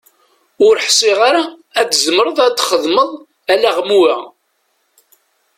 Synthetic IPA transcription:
ʊɾħsˤiʁaɾaædzəməɾəðˤat͡s̪ːχəðˤməðˤ | ælæʁmuæ

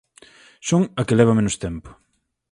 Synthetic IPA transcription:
soŋɐkelɛβ̞ɐmenʊst̪ɛmpo̥

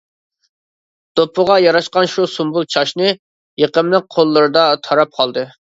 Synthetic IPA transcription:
d̪̥opʰːʊʁɑjɑɾɑʃqɑnʃusumbulˠt͡ʃʰɑʃnɨ | jeqəmlˠəq̚qʰolˠːɨɾɨd̪ɑt̪ʰɑɾɑp̚qʰɑlˠd̪ɨ

